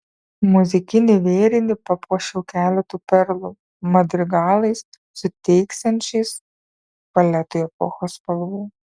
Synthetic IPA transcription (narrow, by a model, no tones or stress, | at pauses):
mʊzʲɪkʲɪnʲɪʋʲeːɾʲɪnʲɪpɐpuɔʃʲɛʊkʲæːlʲɛt̪uːpʲɛɾlˠu | mɐd̪ʲɾʲɪɡɑːlˠɐɪs | sʊt̪ʲɛɪksʲɛnʲt͡ʃʲɛɪs | pɐlʲɛt̪ʊjɛpɔ̰xoːspɐlˠʋuː